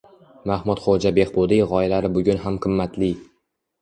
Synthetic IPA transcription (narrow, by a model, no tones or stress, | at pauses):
mahmʊt̪χod͡ʒabe̞hbod̪ɪjʁɒjlaɾɪbʊɡʲʊnɦamqʰɨmːat̪lɪ